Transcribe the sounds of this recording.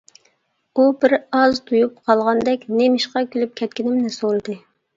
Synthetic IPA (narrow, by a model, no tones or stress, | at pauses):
ubɪɾɑzt̪ʰujup̚qʰɑlˠʁɑnd̪ɛkʲnemɪʃqɑkʲylyp̚kʲʰɛt̪̚kʲinɪmnɪsolˠd̪ɨ